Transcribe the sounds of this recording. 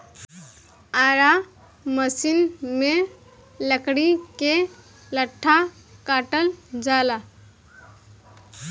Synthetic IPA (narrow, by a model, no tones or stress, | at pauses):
aɾa | məsinme | ləkɽike | ləʈʰːa | kaʈəld͡ʒala